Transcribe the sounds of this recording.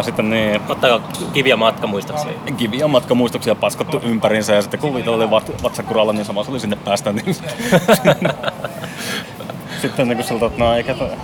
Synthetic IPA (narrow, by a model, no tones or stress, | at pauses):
sit̪ːenniːt̪ot̪ːɑkɑ | kiʋiæmɑt̪kɑmuist̪oksiɑ̰kiʋiæmɑt̪kɑmuist̪oksiɑpɑskɑt̪ːuʔʔympærinsæjɑsit̪ːekuʋiːt̪ɑlːoliʋɑt̪ʋɑt̪sɑkurɑlːɑniːnsɑmɑsolisinːeppæːst̪ænninsi̥t̪ːe̥sn | sit̪ːennekusilt̪ot̪nɑieˑket̪